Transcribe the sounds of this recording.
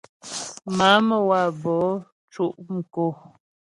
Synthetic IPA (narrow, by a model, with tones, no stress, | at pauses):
ma˨˦mə˦˨wa˨bɔ˨˦ | t͡ʃu˦˨ʔŋ̩˨ko˦˨